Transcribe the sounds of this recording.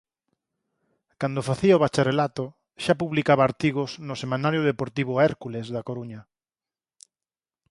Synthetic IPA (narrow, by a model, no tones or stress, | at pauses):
kand̪ofaθiɐoβat͡ʃarelat̪o | ʃapuβlikaβaːɾt̪iɣ̞osnʊsemãnaɾjoð̞epoɾt̪iβʊɛɾkulezðakoɾuɲɐ